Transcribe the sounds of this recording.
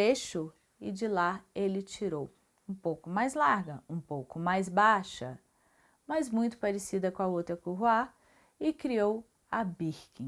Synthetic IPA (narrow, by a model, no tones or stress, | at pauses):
eʃʊ | ɪd͡ʒɪlaelɪt͡ʃiɾow | ũpowkʊmajzlaɾɡɐũpowkʊmajzbaʃɐ | mɐzmũj̃t̪ʊ̥paɾesid̪ɐkõɐowt̪ɾɐkuɦua | ɪkɾiow | ɐbiɾkĩ